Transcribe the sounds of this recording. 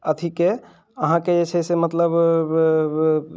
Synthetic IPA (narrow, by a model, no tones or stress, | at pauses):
ət̪ʰike | əɦãked͡ʒet͡ʃʰɛsemət̪ləb